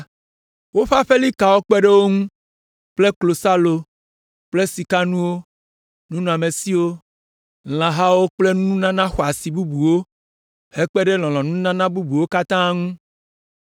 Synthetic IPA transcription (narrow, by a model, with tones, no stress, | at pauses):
wo˦ɸa˦ɸe˦li˦ka˨wo˦k͡pɛ˦ɖe˦wo˦ŋũ˦ | k͡ple˦klo˨sa˦lo˨ | k͡ple˦si˨ka˦nũ˦wo˦ | nũ˦nũ˨a˨me˨si˦wo˦ | l̃ã˨ɦa˦wo˦k͡ple˦nũ˦ũ˦nã˦nã˦xɔ˨a˨si˨bu˦bu˨wo˦ | he˦k͡pe˦ɖe˦l̃ɔ̃˨l̃ɔ̃˨nũ˦nã˦nã˦bu˦bu˨wo˦ka˦t̪ã˦ŋũ˦